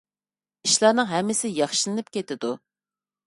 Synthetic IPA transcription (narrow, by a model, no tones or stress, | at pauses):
iʃlˠɑːnɨŋɦɛmːɪsɪjɑχʃilˠɨnɨp̚kʲet̪ɪd̪u